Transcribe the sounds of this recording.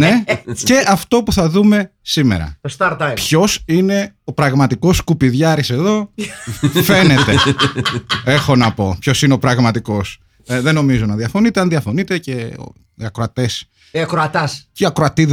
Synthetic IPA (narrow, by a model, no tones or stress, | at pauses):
ne̞ce̞ʔɐft̪o̞puθɐðume̞sime̞̰ɾɐ̰t̪ost̪ɐɾt̪ɐjpço̞sine̞o̞pɾɐɣmɐt̪iko̞skupiðʝɐɾise̞ðo̞ | fe̞ne̞t̪e̞ | e̞xo̞nɐpo̞pço̞sineo̞pɾɐɣmɐt̪iko̞s | ðe̞no̞mizunɐðiɐfo̞nit̪eɐnðiɐfo̞nit̪e̞cḛ | iɐkɾoɐt̪e̞s | iɐkɾoɐt̪ɐsciɐkɾoɐt̪ið